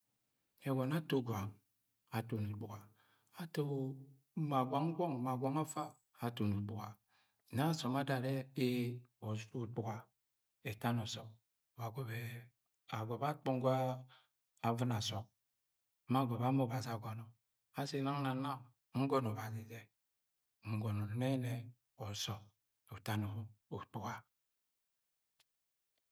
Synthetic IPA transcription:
e˨ɡo˨na˦to˦˨ɡʷa˨ŋ | a˨to˨nu˨bu˨a˨ | a˨to˦ | ma˨ɡʷa˨ŋ̩˦ɡʷɔ˦ŋ˨ma˨ɡʷa˨ŋa˦fa˦ | a˨to˨nu˨bu˨ɡa˨ | na˦˨so˨ma˦da˨ɾe˦e˦o˨zɾo˦˨k͡pu˨ɡa˨ | e˨ta˦no˨sɔ˨k̚ | ba˨ɡo˨be˨ | a˨ɡo˨ba˦k͡po˦ŋ˦ɡʷa˦ | a˦˨vɨ˦na˨sɔ˨k̚ | ma˦˨ɡo˨ba˨˦mo˦˨ba˨zi˨a˨ɡo˨nɔ˨ | a˦se˨˦na˦ŋ˦na˨na˦ | ŋ̩˦ɡɔ˦no˨ba˨zi˨ze˨ | ŋ̩˨ɡo˨no˨ne˦ne˨ | ɔ˨sɔ˨ | o˨ta˦no˨o˨k͡pu˨a˦

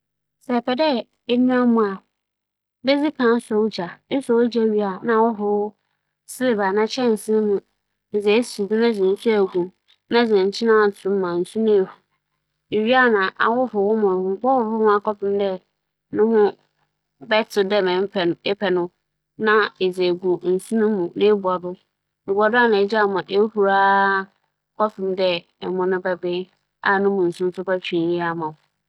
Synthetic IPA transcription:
sɛ˨pʰɛ˨dɛ˦ | e˦nũ˦a˦mʊ̃˨a˨ | be˦d͡zi˦kʰã˨˦n̩˦sʊ˦d͡ʑa˨˦n̩˦sʊ˨wʊ˦d͡ʑa˦˨ɥi˦a˨nã˨˦˨wʊ˦ɦʊ˨wʊ˦ | sɪ˦le˨ba˨nã˦t͡ɕʰɛ̃˦˨n̩˨sɪ˦n˦nʊ̃˦ | n̩˨zɛ˨˦su˨dʊ̃˦nã˦d͡zɪ̃˨n̩˨˦su˦æ˨ɡu˨ | nã˦d͡zɪ̃˨ɲ̩˨t͡ɕʰɪ̃˦nã˦˨tʊ̃˨˦mã˨n̩˨su˦nʊ̃˦e˨hu˨ | e˨ɥi˦a˦˨nã˨ʔa̰˨wʊ˦fʊ˨wʊ˦mã˨ŋ͡m̩˨k͡pɔ˦wʊ˨ɾʊ˦hʊ̃˦a˨kɔ˦pʰɪ̃˦m˦dɛ˦ | nʊ̃˦hʊ̃˦ | bɛ˦tʰʊ˨dɛ˦mɛ̃˨m˦pɛ˨ɛ˦pʰɛ˨nʊ̃˦ | nã˦e˨d͡ze˨ɡu˨n̩˨sũ˦nʊ̃ː˦ũ˨nɪ̃˦bu˨a˨dʊ˦ | e˨bu˨a˨dʊ˦a˦˨nã˨ɛ˨˦d͡ʑa˦˨mʊ̃˨ʔe˦hu˨ɾa˦ | kʰɔ˦fɪ̃˨mdɛ˦ | ɛ˨mʊ̃˦nʊ̃˦bɛ˦bɪ˦ | a˨nʊ̃˦mʊ̃˨n̩˨sʊ̃˦n̩˦sʊ˦pa˦t͡ɕʰᶣĩ˨˦ji˦a˨mã˨ʊ˨

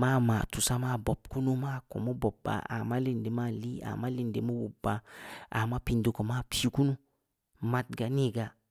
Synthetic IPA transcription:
ma˦˨ma˨tu˨sa˦ma˦˨bo˨b̚ku˦nu˦ma˦˨ko̰˨mo˦bo˨ba̰˨a̰˨ma˦li˦˨nde˨ma˦li˦a̰˨ma˦li˨nde˨mo˦wu˨bːa˨a̰˨ma˦pi˨ndo˨ko˨ma˦˨pʰi˦ku˦nu˦ | ma˨˦t̚ɡa˨ni˦˨ɡa˨

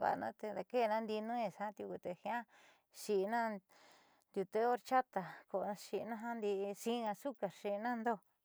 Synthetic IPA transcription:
βa̰˨˧nã̰˦t̪e˧d̪a˧ke˦˧nã˦nd̪i˧nũ˦ẽ˧˨sã˦t̪i˧ku˧t̪e˧hĩ˧ã˦ | ʃi˧nã˦ | d̪ʲu˧t̪e˦o˦ɾt͡ʃa˦t̪a˨ko˧˨˧ʃi˧nã˦ɦã˦nd̪i˧sĩ˦ŋã˧su˦ka˨ʃi˧nã˦˧nd̪o˦

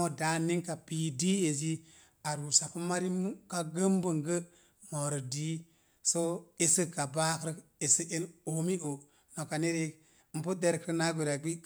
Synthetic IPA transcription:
o˦da˨˦nːi˦ŋka˨pi˨di˦e˨zi˦ | a˨ɾu˨sa˨ku˦ma˦ɾi˦mu˦ka˦ɡə˦mbə˨ŋɡə˦ | mo˨ɾə˨di˦ | so˦e˦sɨ˦ka˨ba˦kɾ | e˨sə˦e˦no˨mi˦ʔo˨ | no˨ka˨ne˦ɾe˦ | m̩˨pu˦de˦ɾkɾna˦ɡe˨ɾa˨ɡi˦

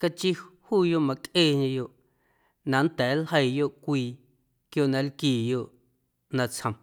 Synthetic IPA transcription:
ka˧t͡ʃi˦huː˦˨jo˦ʔmã˧kʼʔeː˦˨ɲẽ˧jo˧˨ʔ | nã˨n̩˦t̪ɛː˨˦lhɦə˦˧jjo˦ʔkʷiː˧ | kjo˧ʔnã˧lkiː˦˨jo˧ʔ | nã˧t͡shə̃˨m

